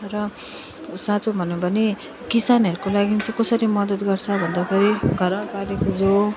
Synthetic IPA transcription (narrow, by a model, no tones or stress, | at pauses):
rʌ | sat͡sobʱʌnobʌne | kisanɦʌɾukolaɡint͡sʌ̃kʌsʌɾimʌd̪ʌt̪ɡʌrt͡sʰʌbʱʌnd̪akʰeɾiɡʱʌɾʌɡanekod͡zo